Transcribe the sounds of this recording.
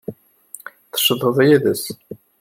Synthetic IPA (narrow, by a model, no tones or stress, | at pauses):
θʃðˤəðˤjiðəs